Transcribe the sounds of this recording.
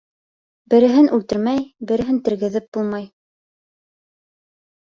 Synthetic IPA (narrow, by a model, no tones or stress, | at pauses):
bɘ̆ɾɘ̆ɦɘnʉlt̪ɘ̆ɾmæjbɘ̆ɾɘ̆ɦɘnt̪ɘ̆ɾɡɘ̆ðɘp̚b̥ulˠmɑj